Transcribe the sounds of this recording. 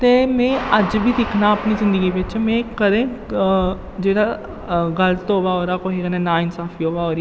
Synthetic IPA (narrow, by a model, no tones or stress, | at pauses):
t̪emẽːɐd͡ʒbʱid̪ɪkʰnaɐpnizɪ̃nd̪əɡibet͡ʃmẽkɐɾẽ | d͡ʒeːɽa | ɡɐlət̪oːʋaɔːɾaːkoɦeɡənẽnaːɪnsaːfʰiɦoːʋaɔːɾ